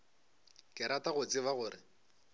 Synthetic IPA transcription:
kɪɾataɣʊt͡sɪβaɣʊːrɪ

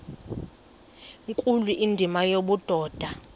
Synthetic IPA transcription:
ŋkʼuliʔindʱimajoɓud̥ʱɔːd̥ʱa

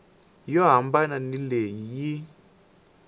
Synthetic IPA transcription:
jɔɦambananilejiji

